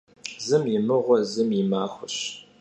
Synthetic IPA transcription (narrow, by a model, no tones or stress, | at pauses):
zɨmjɪmɨʁʷɔzɨmɪmaːxʷʊɕ